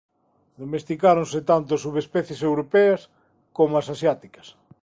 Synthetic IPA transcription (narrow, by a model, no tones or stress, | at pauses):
d̪omest̪ikaɾonset̪ant̪ʊasuβespɛθjesewɾopeɐs | komoasasjat̪ikɐ̥s